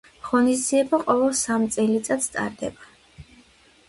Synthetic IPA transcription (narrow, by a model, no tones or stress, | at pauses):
ʁɔnisd̪ziɛbaqʼɔvɛlˠsamt̪sʼɛlit̪sʼat̪st̪ʼa̰ɾd̪ɛ̰ba